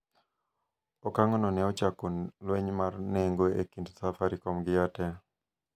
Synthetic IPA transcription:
ɔkaŋɔnɔnɛɔt͡ʃakɔlwɛɲmarneŋɡoekindsafaɾikɔmɡɪjatɛ

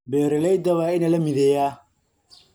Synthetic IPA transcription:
bɛːɾɛlɛjd̪ɐβaːɪnɐlɐmɪðɛːja

